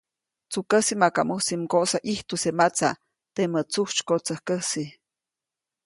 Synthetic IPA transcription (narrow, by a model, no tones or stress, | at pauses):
t͡sukəsimakamusimkoʔsaʔiht̪usemat͡sa | t̪emət͡suht͡ʃkot͡səhkəsi